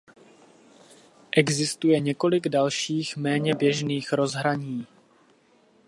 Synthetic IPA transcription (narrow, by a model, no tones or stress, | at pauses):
ʔɛɡzɪst̪ujɛɲɛko̞lɪɡdalʃiːxmɛːɲɛbjɛʒniːxɾo̞zɦɾaɲiː